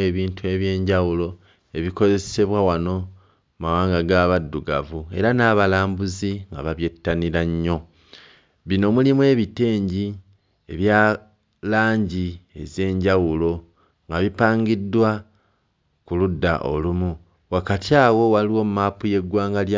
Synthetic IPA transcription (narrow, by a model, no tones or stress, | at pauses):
eβiːntue̞βje̞ːɲɟawulo̞ | e̞βiko̞ze̞se̞βwawano̞ | mawaːŋɡaɡaβadːuɡa̰vue̞ɾanaːβalaːmbuziŋɡa̰βaβje̞tːaniɾaɲːo̞ | βino̞mulimwe̞ːβite̞ːɲɟi | e̞βja | laːɲɟie̞̰ze̞ːɲɟawulo̞ | ŋɡaβipaːŋɡidːwa | kuludːa̰ʔo̰lumu | wakatiaːwo̞waliwo̞mumaːpuje̞ɡwaːŋɡalja